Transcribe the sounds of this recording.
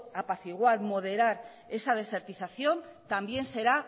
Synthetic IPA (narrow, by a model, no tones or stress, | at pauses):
apaθiɣwalmo̞ð̞e̞ɾaɾ | e̞sað̞e̞se̞ɾt̪iθaθjo̞nt̪ambjense̞ɾa